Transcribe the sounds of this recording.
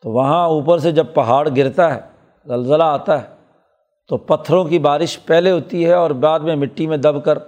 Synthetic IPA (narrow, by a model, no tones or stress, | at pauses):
t̪oʋɐɦãuːpəɾsed͡ʒɐb̚pɐɦaːɽɡɪɾt̪aɦɛ̰ː | zɐlzəlaaːt̪aɦɛ | t̪opɐt̪ʰːəɾõkibaːɾɪʃpɛɦleɦoːt̪iɦɛɔːɾbaːd̪mẽmɪʈːimẽd̪ɐbkəɾ